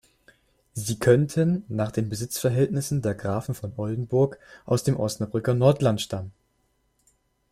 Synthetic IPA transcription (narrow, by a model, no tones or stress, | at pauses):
ziːkʰœntʰənːaːχd̥eːnbəzɪt͡sfɛɐɦɛltnɪsn̩deːɐɡʁaːfn̩fɔnʔɔldn̩bʊɐkʔaʊsd̥eːmʔɔstnabʁʏkɐnɔɐtlantʃtamən